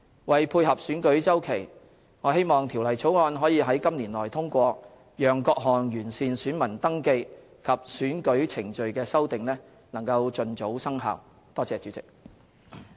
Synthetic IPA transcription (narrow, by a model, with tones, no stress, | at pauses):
wɐ˨jpʰuː˧jɦɐ˨p̚syː˨˥nkɵ˨˥ɥt͡sɐ˥wkʰe˨˩j | ŋɔː˨˧he˥jmɔː˨˩ŋt̪ʰi˨˩wlɐ˨˩jt͡sʰo˨˥wŋɔː˧nɦɔː˨˥jiː˨˧ɦɐ˨˥jkɐ˥mliː˨˩nlɔː˨˩jt̪ʰʊ˥ŋkʷɔː˧ | jœː˨ŋkɔː˧k̚ɦɔː˨˩njyː˨˩nsiː˨˧nsyː˨˥nmɐ˨˩nt̪ɐ˥ŋke˧j | kʰɐ˨p̚syː˨˥nkɵ˨˥ɥt͡sʰɪ˨˩ŋt͡ʃɵ˨ɥkɛː˧sɐ˥wt̪ɪ˨ŋlɛː˥ | nɐ˨˩ŋkɐ˧wt͡ʃɵ˨nt͡so˨˥wsɐ˥ŋɦa̰ː˨w | t̪ɔː˥t͡sɛː˨˧t͡ʃyː˨˥t͡sɪ˨˩k̚